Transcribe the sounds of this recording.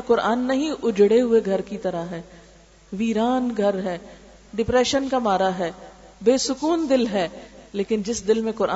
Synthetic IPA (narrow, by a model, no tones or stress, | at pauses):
ɾkʊɾaːnːɐɦĩʔʊd͡ʒɽeɦʊeɡʱɐɾkit̪ɐɾaɦɛː | ʋiːɾaːnɡʱɐɾɦɛː | ɖɪpɾɛːʃənkamaːɾaɦɛː | beːsʊkuːnd̪ɪlɦɛːleːkɪnd͡ʒɪsd̪ɪlmẽkʊɾʔa